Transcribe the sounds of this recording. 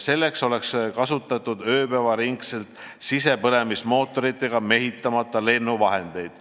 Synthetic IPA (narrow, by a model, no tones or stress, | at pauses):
se̞lːe̞kso̞le̞kskɑsut̪ːˑɑt̪ːˑud̪ø̞ːpævɑɾiŋkse̞lt̪ | sise̞pɤne̞mismo̞ːt̪ːˑo̞ɾit̪ːˑe̞ɡ̥ɑme̞ɦit̪ːˑɑmɑt̪ːˑɑle̞nːuvɑɦe̞nd̪̥e̞jd̪̥